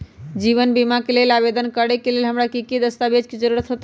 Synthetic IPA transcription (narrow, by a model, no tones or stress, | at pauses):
d͡ʒiβənbimakelelabed̪ənkəɾekelelɦəmɾakiked̪əst̪abed͡ʒked͡ʒəɾuɾət̪ɦot̪e